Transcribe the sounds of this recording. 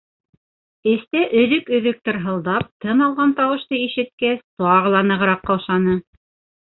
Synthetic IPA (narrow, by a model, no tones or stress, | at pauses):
ɘ̆st̪æʔɵ̆ðɵkɵ̆ðɵ̆k̚t̪ɘɾɦɤ̆lˠd̪ɑp̚t̪ʰɤnɑlˠʁɑnt̪ɑwɤ̆ʃt̪ɤiʃɘ̆t̪̚kæst̪ɑʁɤ̆lˠɑnɤ̆ʁɤ̆ɾɑqːɑwʃɑnɤ